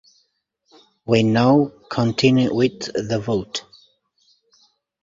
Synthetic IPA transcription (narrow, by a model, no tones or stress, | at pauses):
winaʊkʰə̃ntʰɪ̃njuwɪððəvoʊt